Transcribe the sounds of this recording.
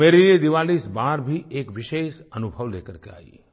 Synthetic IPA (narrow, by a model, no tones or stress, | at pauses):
eɾined̪iʋalisbaɾbʱiʔekʋɪʃeʃənubʱəʋlekəɾkea̰ḭ